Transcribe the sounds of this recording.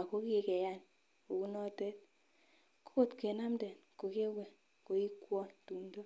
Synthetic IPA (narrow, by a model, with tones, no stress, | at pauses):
a˨ko˦ke˦˨kɛ˨ja˦n | ko˨ku˦nɔ˦tɛ˦t̚ | ko̥˦ko˦˨tke˨na˦mdɛ˨nko˨ke˦wɛ˨ | ko˨i˦kwɔ˦ntu˨mdo˦